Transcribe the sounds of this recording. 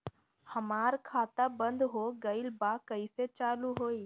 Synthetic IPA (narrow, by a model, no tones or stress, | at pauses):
hɐmaːɾkʰaːt̪abə̃nd̪ɦoːɡɐɪlbaːkəiset͡ʃaːluɦoːiː